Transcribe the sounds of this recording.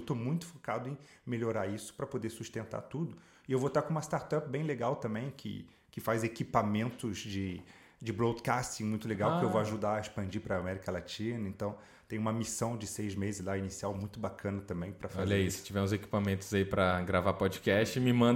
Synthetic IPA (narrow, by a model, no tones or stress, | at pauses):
wt̪omũj̃t̪ʊ̥fokad̪ʊẽj̃meʎoɾaɾisʊ̥pɾɐpod̪eɾsust̪ẽnt̪a̰t̪ud̪ʊ | ɪewvot̪aɾkõũmɐst̪aɾt̪ap̚bẽj̃leɡawt̪ɐ̃mbẽj̃kʰɪ̰ | kɪfazekipamẽnt̪ʊzd͡ʒɪ | d͡ʒɪbɾod̪kast͡ʃĩmũj̃t̪ʊleɡawkɪewwvoaʒud̪aɐespɐ̃nd͡ʒipɾɐamɛɾikɐlat͡ʃĩnɐẽnt̪ɐ̃w̃ | t̪ẽj̃ũmɐmisɐ̃w̃d͡ʒɪsejzmezɪzlainisiawmũj̃t̪ʊbakʰɐ̃nɐt̪ɐ̃mbẽj̃pɾɐfazeɛisɪ̥t͡ʃivɛmʊzeki̥pamẽnt̪ʊzaipɾɐɡɾavapɔd͡ʒikɛst͡ʃɪmɪmɐ̃